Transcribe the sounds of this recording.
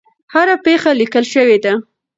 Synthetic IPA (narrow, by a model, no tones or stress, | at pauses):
haɾapexalikəlʃəwed̪a